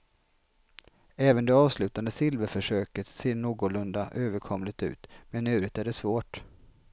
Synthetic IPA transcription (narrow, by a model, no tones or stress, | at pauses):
ɛːvənd̪ɛɑːvslʉ̟ːt̪and̪əsɪlvəɾfœʂøːkət̪seːɳuːɡɔlɵnd̪aʔøːvəɾkʰɔmlɪt̪ʉ̟̰ːt̪mɛnʉ̟ːɾət̪æɖɛsvoːʈ